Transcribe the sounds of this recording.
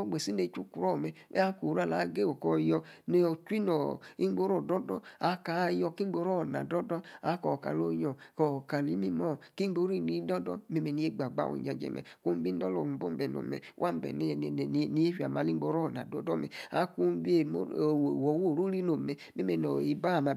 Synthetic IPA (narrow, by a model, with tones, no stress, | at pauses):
o˦ɡ͡be˨si˦ne˨˦t͡ʃu˦ku˨ɾɔ˦˨mɛ̰˨˦a˦ko˨ɾa˦˨la˨˦ɡe˦˨wo˨kɔ˧jɔ˧ne˦˨t͡ʃʷi˦nɔ˨i˦ɡ͡bo˦ɾo˨dɔ˦dɔ̰˦a˨˦ka˨˦jɔ˧ki˦ŋ͡mɡ͡bo˧˦ɾɔ˦˨na̰˨dɔ˦dɔ˦a˨˦kɔ˨ka̰˨lo˦jɔ˨kɔ˨ka˨li˨˦mi˦mɔ˦˨ki˦ŋ͡mɡ͡bo˦ɾi˦˨ni˨˦dɔ˦dɔ̰˦me˦me˨ni˨˦e˦ɡ͡ba˨ɡ͡ba̰˨wo̰˨d͡ʒa˨d͡ʒɛ̰˨mɛ̰˨ku˦bi˦n˦dɔ˦lɔ̰˨bo˦m˦bɛ˨no̰˨mɛ̰˨˦wʔa˦m˦bɛ̰˨n˦˨n˨n˨ni˦e˦fi˨a˨ma˨li˦ɡ͡bo˧˦ɾɔ˦˨na̰˨dɔ˨˦dɔ˦mɛ̰˨a̰˨˦ku˦m˦bi˦e˨o˦˨wo˨wo˦˨ɾu˦ɾi˦no˨mɛ˨me˦me˨nɔ˨i˨˦ba˦˨ma˨